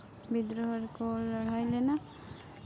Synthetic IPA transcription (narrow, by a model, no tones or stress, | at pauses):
bid̪ɾɔɦɔɾkolɔɽ̤ajlena